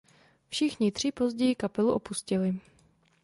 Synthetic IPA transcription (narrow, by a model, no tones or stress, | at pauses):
fʃɪxɲɪt̪r̝̥ɪpo̞zɟɛjɪkapɛluʔo̞puscɪlɪ